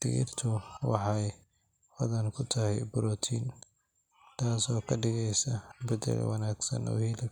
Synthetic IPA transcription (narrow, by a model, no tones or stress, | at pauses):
d̪̥ɪɣɪ̰rt̪ʰʊwɑħɑj | wɐðɐnkʰʊt̪ʰɐɦɛjbʊɾɔːt̪ʰiːn | t̪ʰaːsɔːkʰɐɖɪɣɛjsɐbɐd̪ɛ̰lwɑnaːɡsɐ̰nɔ̰ːhiːlɪ